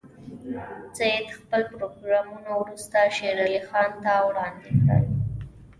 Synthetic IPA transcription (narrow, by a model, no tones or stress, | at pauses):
t͡sajed̪xpəlpɾoɡɾɑmunawɾust̪aʃeɾalixɑnt̪awɽɑnd̪ɪkɽə̰l